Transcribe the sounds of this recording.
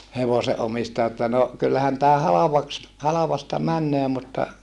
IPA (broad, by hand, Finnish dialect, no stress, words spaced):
heʋose ʔomistɑjɑ etːæ no kylːæhæn tæː hɑlɑʋɑks hɑlɑʋɑstɑ mænːøː mutːɑ